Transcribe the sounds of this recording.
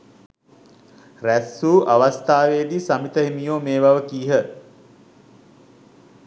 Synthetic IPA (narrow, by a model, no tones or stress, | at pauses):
ræsːuːʔaʋast̪aːʋeːd̪isamit̪əɦimijoːmeːʋaʋəkiːɦə